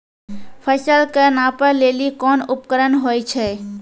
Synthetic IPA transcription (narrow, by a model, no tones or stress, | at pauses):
pʰəsəlkənãːpəɾleːlikɔːnʊpkəɾənɦoːit͡ʃʰɛː